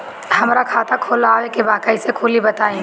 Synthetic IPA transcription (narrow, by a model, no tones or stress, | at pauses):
hɐmɾakʰaːt̪akʰoːlaːʋekebaːkəɪsekʰʊːlibɐt̪aːẽ